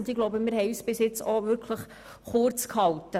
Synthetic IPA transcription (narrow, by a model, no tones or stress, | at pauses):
ndɪɡloʊbəmɪːɾɦɛɪyːsb̥ɪsjɪt͡sɔʋʏɾkʰləχ | χʊɾt͡skhɑltə